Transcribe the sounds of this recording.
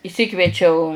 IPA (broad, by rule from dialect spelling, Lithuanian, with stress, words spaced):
ɪʃʲˈsʲɪkʋʲiɛt͡ʃʲɛʊ